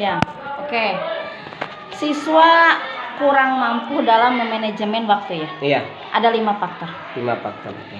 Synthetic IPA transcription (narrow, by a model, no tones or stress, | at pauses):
ja | oke | sisuakuɾaŋmampuhdalamːəmaned͡ʒəmɛnwak̚t̪ujaja | ʔadalimapak̚t̪a | lima̰pa̰k̚t̪a̰